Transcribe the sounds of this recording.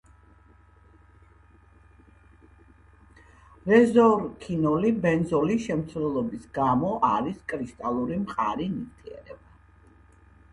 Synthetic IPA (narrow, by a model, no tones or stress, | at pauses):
ɾɛzɔɾkʰinɔlibɛnzɔliʃɛmt̪sʰwlɛlˠɔbisɡamɔʔaɾiskʼɾiʃt̪ʼalˠuɾimχʼaɾiniɾt̪ʰiɛ̰ɾɛba